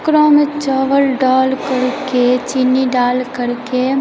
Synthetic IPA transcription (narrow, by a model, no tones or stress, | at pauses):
kɾoːmet͡ʃaːʋəlɖaːlkəɾket͡ʃinːiɖaːlkəɾke